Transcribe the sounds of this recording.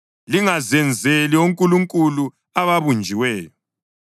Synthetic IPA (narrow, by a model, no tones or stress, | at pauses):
liŋazɛnd͡zʱelioŋkʼuluŋkʼulu | aβaβund͡ʒʱiwɛːjɔ